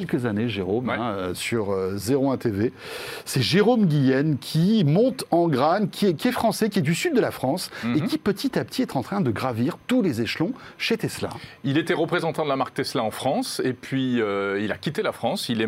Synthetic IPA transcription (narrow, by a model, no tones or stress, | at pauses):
ɛlkəzaneʒeʁomɛ̃øsyʁøzeʁoɛ̃t̪eve | sɛʒeʁomɡʲijɛnkʲʰimɔ̃t̪ɑ̃ɡʁaɲkʲiɛkʲiɛfχɑ̃sɛkʲiɛd̪ysyd̪̚ːəlafχɑ̃sekʲipət̪it̪ap̚t̪ʰiɛt̪ɑ̃t̪χɛ̃d̪əɡʁaviʁt̪ulezeʃlɔ̃ | ʃet̪ɛsla̰ilet̪ɛʁəpχezɑ̃t̪ɑ̃d̪əlamaʁk̚t̪ɛslaɑ̃fχɑ̃sepɥiøila̰kʲit̪elafχɑ̃silɛ